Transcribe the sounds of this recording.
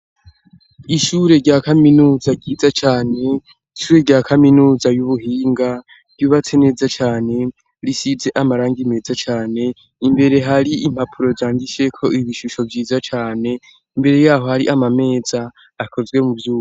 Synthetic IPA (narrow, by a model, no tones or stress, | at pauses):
iʃuɾe̞ɾɟaːkaminuːzaɾɟiːzat͡ʃaːne̞ | iʃuːɾe̞ɾɟaːkaminuːzajuβuɦiːŋɡa | v̥ɟuβat͡sene̞ːzat͡ʃaːne̞ | ɾisize̞ʔamaɾaːŋɡime̞ːzat͡ʃaːne̞ | imbe̞ɾe̞ɦaɾiim̥hapʰuɾo̞zaːŋɡiʃe̞kʰo̞iβiʃuʃo̞vjiːzat͡ʃaːne̞ | imbe̞ɾe̞jaːɦo̞haɾiʔamame̞ːz̥aː | ko̞zɡwe̞muvjuːo